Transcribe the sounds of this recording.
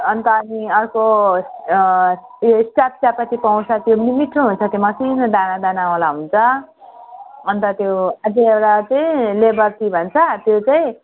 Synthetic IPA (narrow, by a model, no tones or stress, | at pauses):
ʌnt̪ʌːniʌrko | osʈap̚sjapʌt̪ipaw̃t͡sʰʌt̪jonimiʈruɦunt͡sʰʌt̪jomʌsind̪anad̪anawalaɦunt͡sʰʌ | ʌnt̪ʌt̪joad͡ziewɾat͡saĩlebʌrt̪ibʱʌnt͡sʰʌt̪jot͡saĩ